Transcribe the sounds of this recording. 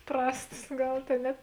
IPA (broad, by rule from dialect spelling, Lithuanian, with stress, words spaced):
ˈprɑːstɐs ˈɡɐlˠ ˈtʲeːn nʲɛ